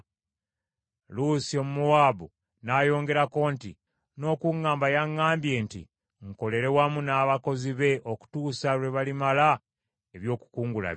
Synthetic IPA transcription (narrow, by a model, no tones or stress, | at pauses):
lusio̞mumuwaːβu | naːjo̞ːŋɡe̞ɾako̞nti | no̞ːkuŋːaːmbajaŋːaːmbje̞ːntḭ | ŋko̞le̞ɾe̞wamunaːβako̞ziβe̞ʔo̞ku̥tuːsalwe̞βalimala | eβjo̞ːku̥kuːŋɡula̰